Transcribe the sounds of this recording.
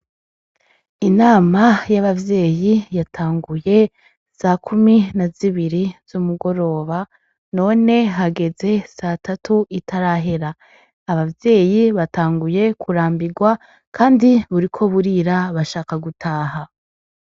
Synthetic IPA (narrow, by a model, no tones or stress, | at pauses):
inaːmajaβavje̞ːjijatʰaːŋɡuje̞ | sakʰuminaziβiɾiz̥umuɡo̞ɾo̞ːβa | no̞ːne̞ɦaɡe̞ze̞satʰatʰuʔitaɾaːɦe̞ɾaː | βavje̞ːjiβataːŋɡuje̞kʰuɾaːmbiɡwa | kʰaːndiβuɾikʰo̞βuɾiɾaβaʃaːkaɡutʰaːɦa